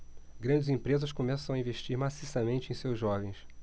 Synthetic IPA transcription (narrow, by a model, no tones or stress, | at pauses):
ɡɾɐ̃d͡ʒɪzẽpɾezɐʃkomɛsɐ̃w̃aĩveʃt͡ʃiɾmasisɐmẽnt͡ʃɪẽj̃sewzʒɔvẽj̃s